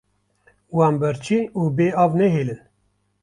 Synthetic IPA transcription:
wɑːnbɨɾt͡ʃʰiːnuːbeːɑːvnɛɦeːlɨn

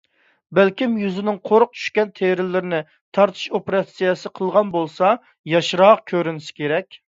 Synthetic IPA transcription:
bɛlkʲimjyzɪnɪŋqʰoɾʊq̚t͡ʃʰy̥ʃkʲɛnt̪ʰeɾɪlːɪɾɪnɪ | t̪ʰɑɾt̪ʰɨ̥ʃopeɾɑsijɛsɨqʰəlˠʁɑnbolˠsɑ | jɑʃɾɑq̚kʲʰøɾynɪsɪ̥kʲeɾɛkʲ

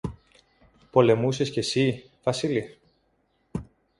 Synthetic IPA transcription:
po̞le̞muse̞sce̞si | vɐsili

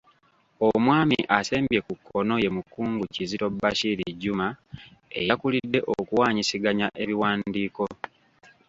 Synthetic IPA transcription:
omwaːmiʔase̞ːmbje̞kukːo̞no̞je̞mukːuːŋɡucizito̞bːaʃiɾiɟːumaejakulidːe̞ʔokuwaːɲisiɡaɲaʔe̞βiwaːndiːko̞

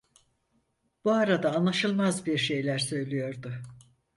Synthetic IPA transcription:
b̥uaɾad̪aːnlˠaʃɯlˠmazbiɾʃe̞jlʲæɾsø̞jlʲijo̞ɾd̪ʊ

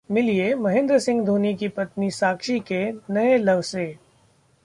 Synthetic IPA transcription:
mɪliemɐɦɪ̃nd̪ɾəsɪ̃ŋɡd̪ʱuːnikipɐt̪nisaːkʃikenɐelɐʋseː

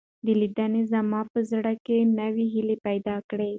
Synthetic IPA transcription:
d̪əlid̪anezamɑpəzɽakenəwiɦilepajd̪ɑkɽe

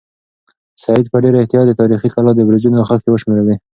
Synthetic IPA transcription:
saɪd̪pəɖeɾaɪht̪ɪjɑt̪̚d̪ət̪ɑɾixikalɑd̪əbɾid͡ʒunoaxak̚t̪ewəʃmeɾawi

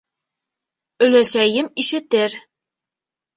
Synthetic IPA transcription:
ɵ̆læsæjɘmiʃɘ̆t̪ɘɾ

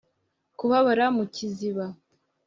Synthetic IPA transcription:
kuβaβaɾamuciziβa

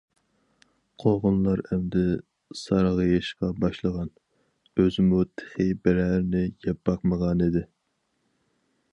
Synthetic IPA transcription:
qʰoʁʊnlˠɑɾɛmd̪ɪ | sɑɾʁəjɑʃqɑbɑʃlˠəʁɑn | øzɪmut̪ʰe̥χibɪɾæɾnɪjɛbɑqməʁɑnid̪ɪ

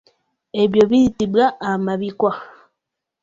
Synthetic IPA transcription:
eβjoβitibɣaːmaβikwa

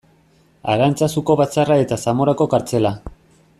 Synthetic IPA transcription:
a̰ɾant͡sasuko̞βat͡sarae̞t̪asamo̞ɾako̞kaɾt͡se̞la

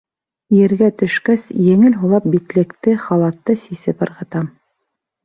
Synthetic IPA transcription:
jɘ̆ɾɡæt̪ɵ̆ʃkæsjɘ̆ŋɘlɦulˠɑp̚bit̪lɘ̆kt̪ɘχɑlˠɑt̪ːɤsisɘpɤ̆ɾʁɤ̆t̪ɑm

